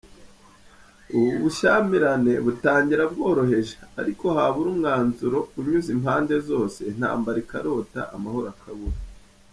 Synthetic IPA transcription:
uuβuʃamiɾane̞βutaːɲɟiɾabɡo̞ːɾo̞ɦe̞ʒḁ̰ːɾiko̞haβuɾumŋaːnzuɾo̞uɲuzimhaːnde̞zo̞ːse̞n̥ha̰ːmbaɾikaɾo̞ːta̰ʔamaho̞ɾakʰaβuɾa

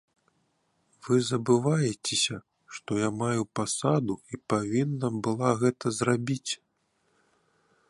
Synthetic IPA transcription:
vɨzɐbɨvajɛt͡sʲesʲɐ | ʂt̪ɔjamajupasad̪uipavʲinːɐbɨlˠaɣɛt̪ɐzrabʲit͡sʲ

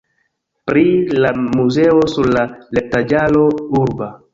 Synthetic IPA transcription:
pɾilamuzeosuɾlalep̚tad͡ʒalo̞uɾba

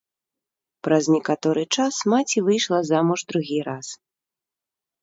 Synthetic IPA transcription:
pɾɐznʲɛkat̪ɔɾɨt͡ʂasmat͡sʲivɨjʂlˠɐzamuʐd̪ɾuɣʲiɾas

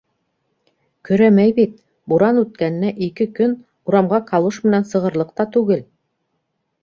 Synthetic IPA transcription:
kɵ̆ɾæmæjbit̪̚ | buɾɑnʉt̪̚kæn̆ːæʔikɘkɵn | uɾɑmʁɑqʰɑlˠuʃmɘ̆nænsɤ̆ʁɤ̆ɾlˠɤ̆q̚t̪ɑt̪ʉɡɘl

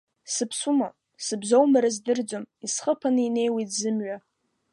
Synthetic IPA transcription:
sɨpʰsuma | sɨbzowmaɾazdɨrd͡zomisχəpʰanɨine̞jwejtzɨmɥa

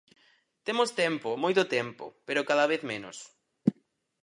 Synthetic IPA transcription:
t̪emost̪ɛmpʊmojt̪ʊt̪ɛmpʊ̰peɾʊkaðaβ̞eθmẽnʊ̰s

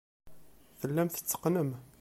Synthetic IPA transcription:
θəlːæmθə̥t͡sːə̥qnəm

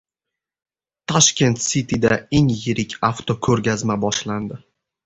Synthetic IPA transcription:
t̪ʰɒʃkʲe̞nt̪sit̪ʰid̪aeŋjɪɾɪkʲʰaft̪ʰokʲʰɵɾɡʲazmabɒʃland̪ɪ

